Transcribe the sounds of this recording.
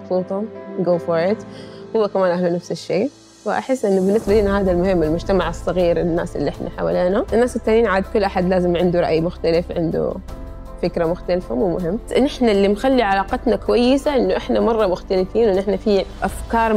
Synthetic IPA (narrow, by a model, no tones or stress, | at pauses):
bsˤuːt̪ˤɑɡoːfoːɾt̪hʊwːakamaːnʔahlunafsɪʃːeː | wa̰ʔa̰ħɪsːʔɪnːubɪnːɪsbalɪnɦaːðalmʊhɪmːɪlmʊd͡ʒt̪amaʕɨsˤːɑɣiːɾɪnːa̰ːsʔɪlːiʔɪħnʔa̰ħa̰wa̰leːnaʔɪnːaːsɪt̪ːaːnjiːnʕaːd̪kʊlːʔaħad̪laːzɪmʕɪnd̪uɾˤɑʔjmʊxt̪alɪfʕɪ̰nd̪ṵ | fɪkɾamʊxt̪alfamuːmʊ̰ɦɪmːʔɪnːɪħnalːimxalːiʕalaːqɑt̪nakwajːɪsaʔɪnːuʔɪħnamɑrˤːɑmʊxt̪alɪfiːnwɪnːʔɪħnafiʔafkɑːɾˤ